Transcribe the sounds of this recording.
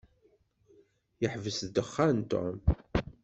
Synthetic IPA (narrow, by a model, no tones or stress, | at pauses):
jəħvəsd̪əχːant̪o̰m